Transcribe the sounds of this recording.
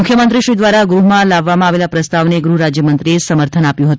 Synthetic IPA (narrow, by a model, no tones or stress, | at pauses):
ukʰjəmənt̪ɾiʃɾid̪ʋaɾaɡɾuɦmãlaʋːamãaʋelapɾəst̪aʋneɡɾuɾad͡ʒjəmənt̪ɾiesəməɾt̪ʰənapjũɦət̪